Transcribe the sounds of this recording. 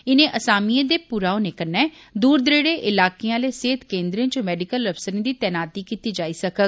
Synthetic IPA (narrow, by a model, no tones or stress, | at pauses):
ɪnẽːʔəsaːmiẽːd̪eːpuɾaːonekənɛː | d̪uːɾd̪əɾeːɽeːʔɪlaːkijãːleːseːt̪kẽːnd̪ɾẽːt͡ʃomɛːɖɪkələfsəɾẽːd̪iːt̪ɛːnaːt̪iːkiːt̪iːd͡ʒaːiːsəkəɡ̚